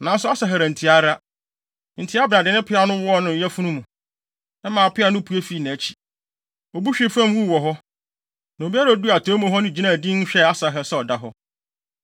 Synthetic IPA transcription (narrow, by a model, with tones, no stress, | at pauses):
nã˨n˦sʊ˦a˦sa˨ɦɛ˨ɾæ̃˨n̩˨tʰi˨a˦ɾa˦ | n̩˨tʰɪ˦a˦bnã˨dɪ˨nɪ̃˦pʰɪ˦a˨nʊ̃˦wɔ˦ɔ˦nʊ̃˨n˨˦ɛ˦fũ˦nũ˦mũ˨ | ɛ˦mã˨a˨pʰɪ˦a˨˦nʊ̃˦pʰu˨˦e˦fi˨˦˨nã˨t͡ɕʰi̥˨ | ɔ˨bu˦ɕᶣɪ˦fã˦m˦wu˦˨wɔ˨ɦɔ˦ | nã˨o˨bi˦a˦ɾa˨˦du˦a˨tʰɔ̃˦mũ˦ɦɔ˦nɪ̃˦˨d͡ʑi˦nã˦˨dĩ˦n˦ɕᶣɛ˦a˦sa˨ɦɛ˦sɛ˦˨ɔ˨da˦ɦɔ˦